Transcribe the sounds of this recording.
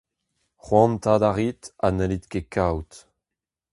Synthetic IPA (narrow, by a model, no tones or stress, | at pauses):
χwɑ̃nt̪aːd̪aʁit̪anɛlit̪kekawt̪